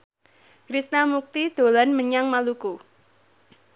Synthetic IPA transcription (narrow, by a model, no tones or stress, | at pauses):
kɾisnamuk̚t̪id̪̥o̤lanməɲaŋmaluku